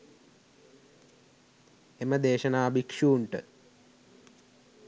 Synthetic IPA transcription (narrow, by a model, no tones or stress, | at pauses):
eməd̪eːʃɐnaːbʱikʂuːɳʈə